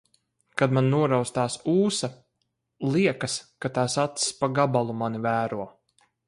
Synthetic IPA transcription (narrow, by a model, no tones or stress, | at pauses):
kad̪mannuɔɾawst̪aːsuːsa | lˠiɛkaskat̪aːsat̪sspaɡabalˠumanivæːɾuɔ